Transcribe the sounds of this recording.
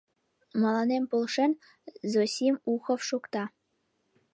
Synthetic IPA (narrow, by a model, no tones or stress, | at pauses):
mɑlˠɑnempulˠʃə̆n | zosʲimuxofʃukt̪ɑ